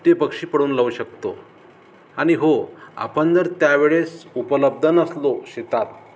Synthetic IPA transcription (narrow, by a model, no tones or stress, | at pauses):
t̪jepəkʂiːpəɽuːnləuɕəkt̪o̰ | aɽ̃iɦoa̰pəɳd͡z̪əɾt̪jaʋeɭesupələb̚d̪ʱənəsloɕit̪at̪̚